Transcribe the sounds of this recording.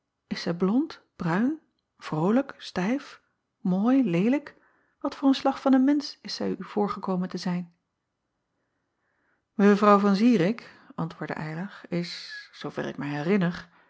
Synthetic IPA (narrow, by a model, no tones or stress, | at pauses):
ɪsːɛjblɔnt | b̥rœɥn | v̥rowləkstɛjf | moːjlejlək | ʋɑtfʊːɹənslɑχfɑnənmɛnsɪsɛjyv̥ʊːɹχəkowməntəzɛjn | məvrɑwvɑnziːɾɪk | ʔɑ̰ntʋʊːɹdə̰ʔɛjlɑχɪsːowv̥ɛ̰rɪ̰k̚mɛjɦɛrɪnər